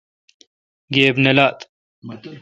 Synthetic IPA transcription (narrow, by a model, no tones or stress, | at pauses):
ɡeːbnelaːt̪